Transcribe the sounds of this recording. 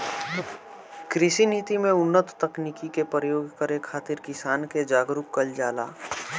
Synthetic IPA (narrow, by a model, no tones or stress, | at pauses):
kɾɪsinit̪imẽʊnːət̪ːɐknikikepɾəjoːɡkəɾekʰːaːt̪ɪɾkɪsaːnked͡ʒaːɡɾʊkːɐld͡ʒaːla̰ː